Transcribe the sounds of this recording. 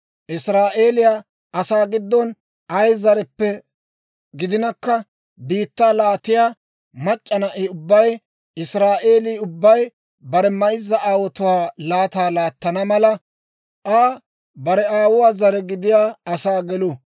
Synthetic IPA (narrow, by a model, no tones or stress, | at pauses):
ʔɪsɾaːʔe̞ːlɪjaː | ɐsaːɡɪd̪ːɔn | ʔɐjzɐɾɛpːɛ | ɡɪd̪ɪnɐkːɐ | biːt̪ːaːlaːt̪ɪjaː | mɐt͡ʃʼːɐnɐʔɪʊbːɐj | ʔɪsɾaːʔe̞ːliːʊbːɐj | bɐɾɛmɐɪzːɐaːwɔt̪ʊwaːlaːt̪aːlaːt̪ːɐnɐmɐlɐ | ʔaː | bɐɾɛaːwʊwaːzɐɾɛɡɪd̪ɪjaːɐsaːɡɛlʊ